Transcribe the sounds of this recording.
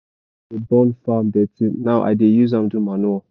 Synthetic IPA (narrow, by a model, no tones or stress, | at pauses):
ebɔ̃nfamdɛtʰĩnaʊʔa̰dejuzãmdumanua